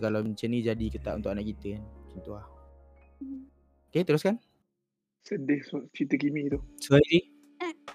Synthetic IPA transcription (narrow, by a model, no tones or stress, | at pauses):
kalaməɲt͡ʃəmnid͡ʒadikət̪a̰ʔunt̪ʊʔkanaʔkit̪əant͡ʃɔnt̪uah | oket̪əɾʊskan | sədɪhst͡ʃit̪əkimit̪usuaidi